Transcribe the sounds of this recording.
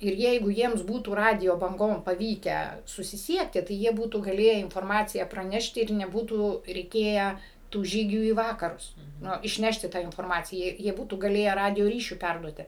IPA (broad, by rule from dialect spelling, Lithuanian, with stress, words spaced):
ɪr ˈjɛɪɡʊ ˈjiɛms ˈbuːtuː ˈrɑːdʲɪjoː bɐŋˈɡoːm pɐˈʋʲiːkʲæː sʊsʲɪˈsʲiɛktʲɪ tɐɪ ˈjiɛ ˈbuːtuː ɡɐˈlʲeːjæː ɪnfoːrˈmɑːt͡sʲɪjæː prɐˈnʲæːʃʲtʲɪ ɪr nʲɛˈbuːtuː rʲɛɪˈkʲeːjæː tuː ˈʒʲiːɡʲuː iː ˈʋɑːkɐrʊs ˈnʊ ɪʃʲˈnʲæːʃʲtʲɪ ˈtɑː ɪnfoːrˈmɑːt͡sʲɪjæː jiɛ ˈbuːtuː ɡɐˈlʲeːjæː ˈrɑːdʲɪjoː ˈrʲiːʃʲʊ ˈpʲɛrduɔtʲɪ